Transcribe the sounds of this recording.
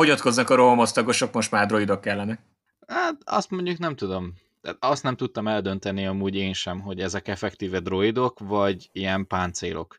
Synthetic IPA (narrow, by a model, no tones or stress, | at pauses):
o̞ɟɒt̪ko̞znɒkɒɾoɦomost̪ɒɡoʃo̞kmo̞ʃt̪maːrd̪ro̞id̪okːɛlːɛnɛk̚ | hat̪ɒ̰st̪mo̞ɲɟuknɛmt̪ud̪o̞m | t̪ɛ̰ːt̪ɒst̪nɛmt̪ut̪ːɒmɛld̪ø̞n̪t̪ɛniɒmuːɟeːnʃɛmɦo̞ɟɛzɛkɛfɛkt̪iːvɛd̪ro̞id̪o̞kvɒɟijɛmpaːnt̪sḛːlʔo̞̰k